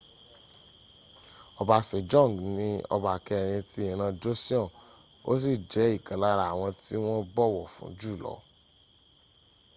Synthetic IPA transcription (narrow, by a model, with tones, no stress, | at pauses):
ɔ˧ba˧se˨d͡ʒɔ̃˦˨ɡnĩ˧˦ɔ̰˧ba˨kɛ˧˨ɾ̃ĩ˧ti˦ĩ˨ɾ̃ã˧d͡ʒo˦si˦ɔ̃˦˨ | o̰˦s̬i˦˨d͡ʒɛ˨˦i˦˨kã˨la˦ɾa˦a˨w̃ɔ̃˧ti˦w̃ɔ̃˦bɔ˦˨wɔ˦˨fṵ̃˨˦d͡ʒu˦˨lɔ̰˨˦